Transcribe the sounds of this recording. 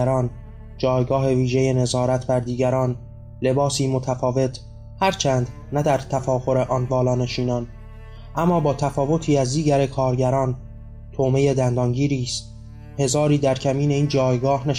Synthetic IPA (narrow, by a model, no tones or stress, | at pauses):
ɾɒːn | d͡ʒɒːjɡɒːɦe̞viːʒe̞je̞ne̞zɒːɾæt̪ʰbæɾd̪iːɡæɾɒːn | le̞bɒːsiːmo̞t̪ʰæfɒːve̞t̪ʰ | hæɾt͡ʃʰænd̪ | næd̪æɾt̪ʰæfɒːɣo̞ɾeʔɒːnvɒːlɒːne̞ʃiːnɒːn | ʔæmːɒːbɒːt̪ʰæfɒːvo̞t̪ʰiːæzd̪iːɟæɾe̞kʰɒːɾɟæɾɒːn | t̪ʰoːme̞je̞d̪ænd̪ɒːŋɟiːɾiːst̪ | he̞zɒːɾiːd̪æɾcʰæmiːne̞iːnd͡ʒɒːjɡɒːhne